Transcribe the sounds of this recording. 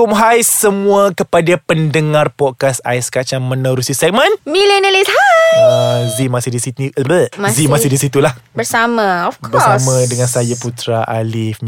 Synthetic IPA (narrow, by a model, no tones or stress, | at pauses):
umɦajsəmũakəpadapəndəŋãrpɔd̚kasa̰jskat͡ʃaŋmə̃nəɾusisɛk̚mə̃nmilɛnəlishajazimasɪhdisiniləmzimasɪdisit̪ulahbəɾsamãɔfkʰbəɔsamãdəŋãnsajaput̪ɾaʔalɪfm